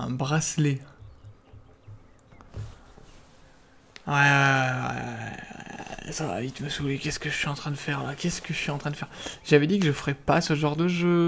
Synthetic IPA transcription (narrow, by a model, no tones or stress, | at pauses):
ɛ̰̃bʁasle | wɛwɛ̰ | sava̰vit̪məsulekʲɛskəʒəsɥiɑ̃t̪χɛ̃d̪əfɛʁlakʲɛskəʒəsɥiɑ̃t̪χɛ̃d̪əfɛʁʒavɛd̪ikəʒəfəʁɛpasəʒɑ̃ʁd̪əʒø